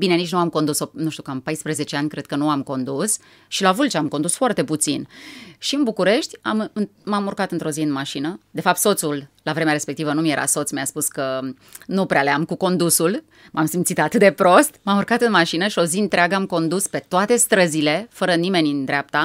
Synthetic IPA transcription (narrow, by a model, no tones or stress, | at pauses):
bine̞nit͡ʃʲnuamko̞nd̪usonuʃt̪ukampajspɾəze̞t͡ʃe̞anʲkɾe̞d̪̥̚kənuamko̞nd̪us | ʃilavult͡ʃeamkond̪usfoart̪e̞put̪sinʃiɨnbukuɾe̞ʃt̪ʲamɨmamurkat̪ɨnt̪ɾo̞ziɨnmaʃinəd̪e̞fap̚t̪so̞t̪sulːavɾemeaɾe̞spe̞k̚t̪ivənumije̞ɾʔa̰so̞t̪smiaspuskə | nupɾealeamkuko̞nd̪usul | mamsimt̪sit̪at̪ɨt̪̚d̪e̞pɾo̞st̪mamurkat̪ɨnmaʃinəʃio̞ziɨnt̪ɾeaɡəamko̞nd̪uspe̞t̪oat̪e̞st̪ɾəzile̞fəɾənime̞nʲɨnd̪ɾeap̚t̪a